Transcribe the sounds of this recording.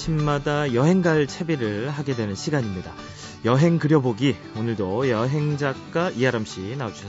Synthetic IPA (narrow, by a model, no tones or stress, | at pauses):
t͡ɕʰimmadajʌɦe̞ŋɡaɭt͡ɕʰe̞biɾɯɭhaɡe̞dwe̞nɯnɕʰiɡaɲimɲida | jʌɦe̞ŋkɯɾjʌboɡi | onɯɭdojʌɦe̞ŋd͡ʑak͈aʔiaɾamɕ͈ʰinaod͡ʑuʌ